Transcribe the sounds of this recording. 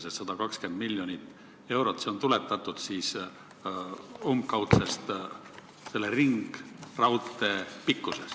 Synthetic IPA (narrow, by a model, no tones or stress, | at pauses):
set̪sɑd̪ɑkɑkske̞nd̪̥milːjonit̪ːˑ | e̞wɾo̞t̪seo̞nt̪ule̞t̪ːˑɑt̪ːˑud̪̥siːs | omkɑwt̪sest̪ | se̞lːeriŋɡ̥rɑwt̪ːˑe̞pikːˑuses